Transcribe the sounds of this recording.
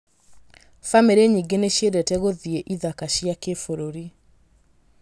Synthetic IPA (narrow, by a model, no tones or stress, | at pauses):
fameɾeɲiɡeneɕjedɛtɛɣoðieʔiðakaɕjakefoɾoɾi